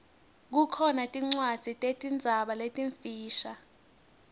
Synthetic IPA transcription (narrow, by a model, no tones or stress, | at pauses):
k̬ukʰɔnatʼiŋ͡ǀwad̥z̥ʱitʼetʼind͡zʱaɓaletʼiɱfiːʃa